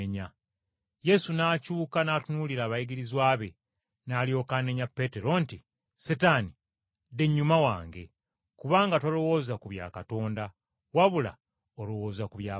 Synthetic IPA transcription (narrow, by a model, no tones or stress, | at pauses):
eɲa | je̞sunaːcuːkanaːtunuliɾaːβajiɡiɾizwaːβe̞ | naːljo̞ːkane̞ɲapːe̞te̞ɾo̞nti | sitani | de̞ɲːumawaːŋɡe̞̰ | kuβaːŋɡatolo̞wo̞ːzakuβja̰ːkato̞ːnda | waβula̰ | olo̞wo̞ːzakuβjaː